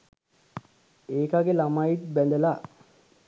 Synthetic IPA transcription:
eːkaɡelamaiʈ̪̚bɛnd̪əla

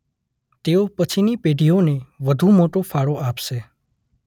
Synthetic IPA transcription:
t̪eopət͡ʃʰinipeɖʱioneʋəd̪ʱũmoʈofʰaɽoʔapʃe

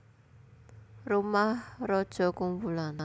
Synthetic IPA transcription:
rumahrɔd̥ʒ̥ɔ̤kumbulana

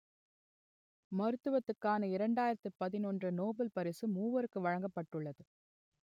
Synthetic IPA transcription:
mɐɾɯt̪ːɯʋɐt̪ːɯkːaːnɐɪɾɐɳɖaːjɪɾɐt̪ːɯpɐðɪnɔndrɯnoːbɐlpɐɾɪsɯmuːʋɐɾɯkːɯʋɐɻɐŋɡɐpːɐʈːɯɭːɐðɯ

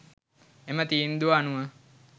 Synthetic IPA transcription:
emət̪iːnd̪uanuʋə

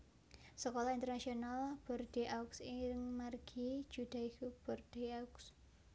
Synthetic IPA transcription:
səkolɔint̪ərnasionalb̥ɔrd̪̥e̤ʔauksɪɾɪŋmarɡ̥i̥d͡ʒ̥ṳd̪̥a̤ikub̥ɔrd̥e̤aks

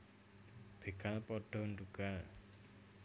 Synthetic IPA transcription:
b̥e̤kalpɔɖ̥ɔ̤nduɡ̥al

